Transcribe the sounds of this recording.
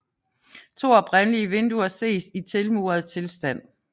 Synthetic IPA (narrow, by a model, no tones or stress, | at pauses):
t͡sʰo̝̰ːɒ̽b̥ʁanliəʋe̝nd̥uɐse̝̰ːsit͡sʰe̝lmṵːɐð̞̩ˠt͡sʰe̝lsd̥æn̰